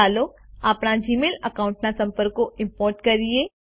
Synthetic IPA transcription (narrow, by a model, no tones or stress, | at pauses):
aːloaːpɽ̃ad͡ʒiːmeːlɐkaːʊ̃ɳʈnasɐ̃mpəɾkːoʔɪ̃mpɔːɾʈkɐɾie